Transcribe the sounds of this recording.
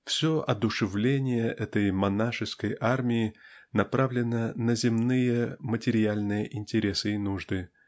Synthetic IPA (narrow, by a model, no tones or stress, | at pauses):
fsʲoʔɐd̪ʊʂɨvlʲenʲɪjəʔɛt̪əjmɐnaʂɨskəjʔarmʲɪɪnɐpɾavlʲɪnənəzʲɪmnɨjəmətʲɪɾʲɪalʲnɨjəʔɪnʲtʲɪɾʲesɨɪnuʐd̪ɨ